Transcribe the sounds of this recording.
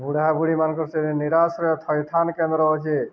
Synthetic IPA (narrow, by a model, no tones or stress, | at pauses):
buɽabuɽimankɔɾseɾiniɾasɾɔjɔt̪ʰɔjt̪ʰankend̪ɾɔɦɔt͡ʃʰe